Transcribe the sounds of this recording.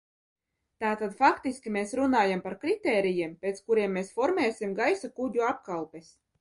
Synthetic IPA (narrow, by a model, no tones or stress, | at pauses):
t̪aːt̪ad̪fakt̪iskʲimeːsɾunaːjampaɾkɾit̪ɛːɾijiɛmpʲeːt̪skuɾiɛmːeːsfɔɾmʲɛːsʲimɡajsakuɟʲuap̚kalˠpes